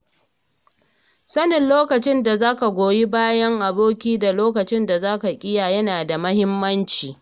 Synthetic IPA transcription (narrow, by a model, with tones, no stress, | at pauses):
sɐ˦nɪ˨nloː˦kɐ˨t͡ʃɪ˦nda˨zaː˦ka˨ɡʷoː˨ji˦baː˦jɐ˦ŋʔa˨boː˦kʲiː˦da˨loː˦kɐ˨t͡ʃɪ˦nda˨zaː˦ka˨kʲʼɪ˦jaː˨jɐ˦naː˨da˨mɐ˦hɪ˦mːɐ˦nt͡ʃiː˨